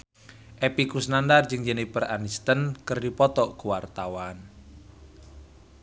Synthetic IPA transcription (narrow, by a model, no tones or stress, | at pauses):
ʔɛpikusnandard͡ʒɨŋd͡ʒənepəranist̪ənkərdipɔt̪ɔkuwart̪awan